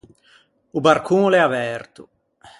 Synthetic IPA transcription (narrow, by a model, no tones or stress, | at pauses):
ubarkʰunlɛavɛrt̪u